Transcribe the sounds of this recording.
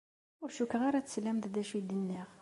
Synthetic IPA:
ʊɾʃukːəʁaɾat͡sslæmd̪d̪æʃid̪ənːiʁ

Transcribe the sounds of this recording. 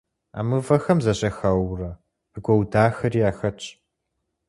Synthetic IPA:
a̰ːmɨvɐxɐmzɐɕʼɐxɐwrɐ | ɨɡʷɔwdaːxɐriːaːxɐt͡ʃʼ

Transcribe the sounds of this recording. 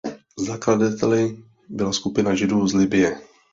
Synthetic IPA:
zakladat̪ʰɛlɪ | bɪlaskupɪnaʒɪduːzlɪbɪjɛ

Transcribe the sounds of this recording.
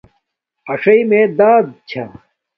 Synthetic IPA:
ɐʂɐimẽd̪aːd̪̚t͡ɕʰa̰

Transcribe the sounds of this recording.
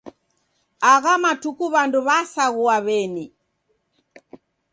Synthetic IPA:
aɣamatukuβanduβasaɣuaβɛni

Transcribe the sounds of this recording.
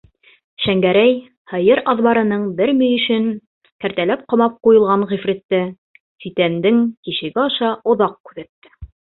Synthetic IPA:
ʃæŋɡæɾæj | hɤ̆jɤɾɑðβɑɾɤ̆nɤɴbɘɾmĭjɵ̆ʃɘŋ | kæɾt̪ælæp̚qɤ̆mɑp̚qujɤ̆lˠʁɑɴʁifɾit̪ːɘ | sit̪ænd̪ɘŋkiʃɘ̆ɡæɑʃɑŏðɑq̚kʉðæt̪ːɘ̥

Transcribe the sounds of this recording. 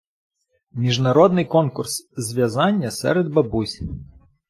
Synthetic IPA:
mʲiʐnɐɾɔd̪nɨjkɔnkurszʲʋʲjɐzanʲːɐsɛ̰ɾɛd̪bɐbusʲ

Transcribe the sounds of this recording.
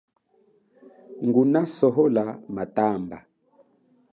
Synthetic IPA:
ŋɡunasɔɦɔlamatamba̰

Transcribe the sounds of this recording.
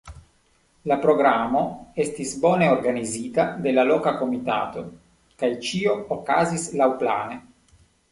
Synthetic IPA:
lapɾoɡɾamo̞est̪isboneoɾɡanizit̪ad̪elalokako̞mit̪a̰ːt̪o̞ | kajt͡ʃio̞okaːzislawpla̰ːne

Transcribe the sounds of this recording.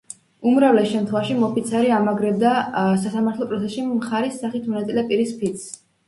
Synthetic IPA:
umɾavlɛsʃɛmt̪ʰχwɛvaʃimɔpʰit̪sʰaɾiamaɡɾɛbd̪asasamaɾt̪ʰlˠɔpʼɾɔt̪sʰɛsʃimχaɾisːaχit̪ʰmɔnat̪sʼilɛpʼiɾispʰit̪s

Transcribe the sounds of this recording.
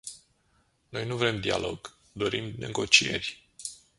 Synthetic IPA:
no̞jnuvɾe̞md̪ia̰lo̞ɡ̥ | d̪o̞ɾimnʔe̞̰ɡo̞t͡ʃie̞rʲ

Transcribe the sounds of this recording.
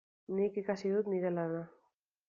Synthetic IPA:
nikikasiðut̪niɾe̞lana

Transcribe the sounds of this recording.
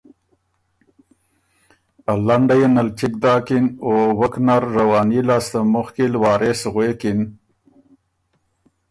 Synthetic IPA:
alaɳɖajenalt͡ʃɪkd̪ɑːkinowəknaɾːawɑːnilaːst̪amʊxkilwɑːɾʔesɣwekin

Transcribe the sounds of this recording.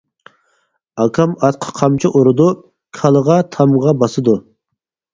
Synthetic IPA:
ɑkʰɑmɑt̪̚qʰə̥qʰɑmt͡ʃʰiʔoɾɨd̪u | kʰɑlˠəʁɑt̪ʰɑmʁɑbɑsɨd̪u

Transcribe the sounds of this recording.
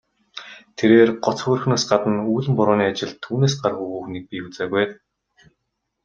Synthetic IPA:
t̪ʰeɾeːrɢɔt͡sxʊrxnoːsɢat̪ə̆nuːɮɘ̆mpʊɾʊːniːat͡ɕɪ̆ɮt̪ʰːuːneːs̬ɢarʁuɣuːxniːk̚pʲiut͡saːɣuj

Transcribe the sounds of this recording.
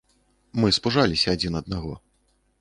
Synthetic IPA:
mɨspuʐalʲisʲɐːd͡zʲinɐd̪̚naɣɔ̰

